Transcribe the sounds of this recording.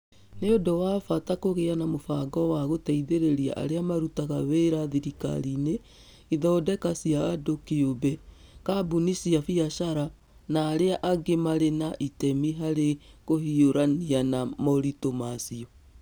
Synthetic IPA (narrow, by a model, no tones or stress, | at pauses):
neodowaːfatakoɣeanamofaːɡɔwaɣotɛiðeɾeɾia̰ʔa̰ɾeamaɾutaɣaweɾaðiɾika̰ɾine | iðɔːdɛkasiaadokeobɛkabunisiafiaʃaɾa | naːɾeaʔaɡemaɾenaʔitɛmiɦaɾeɣohioɾanianamɔɾitomasiɔ